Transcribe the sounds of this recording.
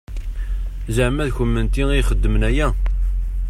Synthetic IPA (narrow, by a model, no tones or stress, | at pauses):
zəʕmæðçəmːənt̪iiχəd̪ːəmnæjæ